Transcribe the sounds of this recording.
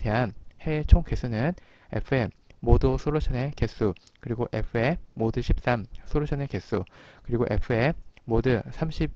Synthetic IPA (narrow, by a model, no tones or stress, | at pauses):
teɦanhe̞t͡ɕʰoŋkesʰunɯn | e̞̰pʰɯe | modosʰoɾoɕʰʌne̞kesʰu | kɯɾiɡoʔe̞̰pʰɯe̞modɯɕʰip̚s͈amsʰoɾoɕʰʌne̞ke̞s͈ʰukɯɾiɡoʔe̞̰pʰɯemodɯsʰamɕʰip̚